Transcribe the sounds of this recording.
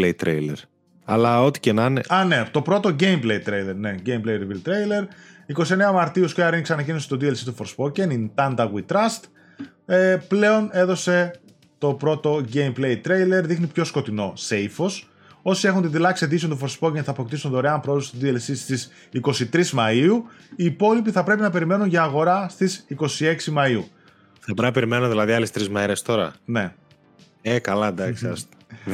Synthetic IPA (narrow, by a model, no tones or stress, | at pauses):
et̪ɾelḛɾ | ɐ̰lɐot̪i̥cenɐneɐnet̪o̞pɾo̞t̪o̞ɟe̞jmplejt̪ɾejle̞ɾne̞ɟejmplejɾivilt̪ɾejle̞ɾ | iko̞sie̞neɐmɐɾt̪iuskiɐɾinikseɐnɐcinose̥t̪od̪ielsit̪ufoɾspo̞cenint̪ɐnd̪ɐɣwit̪ɾɐst̪ | eple̞o̞ne̞ðo̞se̞ | t̪o̞pɾo̞t̪o̞ʝejmple̞jt̪ɾe̞jle̞ɾðixnipço̞sko̞t̪ino̞se̞jfo̞s | o̞sie̞xunt̪inðilɐksiet̪isiont̪ufoɾspoɣʲenθɐpo̞kt̪isund̪oɾeɐmpɾooðust̪id̪ielsist̪is | iko̞sit̪ɾizmɐiuiːpo̞lipiθɐpɾe̞pinɐpe̞ɾime̞nunʝɐːɣo̞ɾɐst̪isiko̞sie̞ksimɐiu | θɐpɾɐpeɾimenuðilɐðiɐlest̪ɾizmeɾest̪o̞ɾɐ̰ne̞̰ | ekɐlɐd̪ɐksɐ̰st̪